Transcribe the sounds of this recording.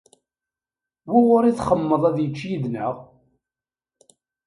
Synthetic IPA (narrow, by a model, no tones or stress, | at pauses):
wiwʊɾiθχəmːəðˤæðjət͡ʃːjiðnəʁ